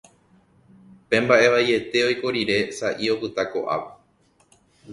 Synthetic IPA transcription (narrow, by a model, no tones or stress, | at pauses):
pẽ̞mbaʔe̞ʋaje̞t̪e̞o̞jkoɾiɾe̞saʔio̞pɨt̪ako̞̰ʔa̰ʋe